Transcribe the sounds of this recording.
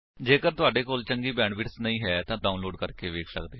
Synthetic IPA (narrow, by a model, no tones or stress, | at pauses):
d͡ʒeːkəɾt̪ʊaːɖeːkoːlt͡ʃəŋɡiːbɛ̃ːɳɖʋɪʈsnəĩːɦɛːt̪ãːɖaːunloːɖkəɾkeːʋeːkʰsə̰kd̪eː